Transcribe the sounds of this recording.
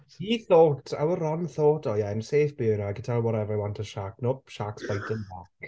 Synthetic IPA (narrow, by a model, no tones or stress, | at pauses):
hiθoːtʰa̰wəɾɔnθoːdɔjaɛnseːfb̥ɪɾaɡətʰɛlˠwɔɾɛvəɾawɔntʰəʃaknoːʃaksb̥ajtʰənbak